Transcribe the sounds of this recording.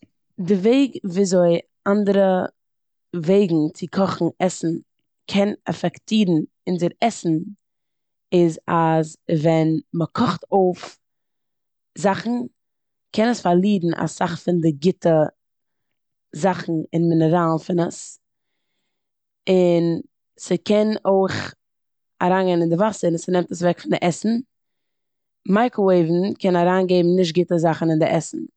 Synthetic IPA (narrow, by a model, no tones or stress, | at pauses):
dɪveɪɡviːzoɪ | andəɾə | veɪɡŋ̩t͡sɪkʰɔχn̩ɛsn̩ | kʰɛnɛ̰fɛktʰiːɾn̩ | ɪnzɪɾɛsn̩ | ɪzazvɛnməkʰɔχtoʊf | zaχn̩ | kʰɛnəsfaɾlˠiːdn̩a̰saχfɪndɪɡɪtə | zaχn̩ɪnmɪnəɾaːlˠfɪnəs | ɪn | səkʰɛnoɪχ | aɾaːnɡɛɪnɪndɪvasəɾnsənɛmtəsvɛkfɪndɪʔɛsn̩ | maɪkoeɪvn̩kɛnaɾaːnɡeɪbm̩nɪʃ̬t̚ɡɪtəzaχn̩ɪndɪʔɛsn̩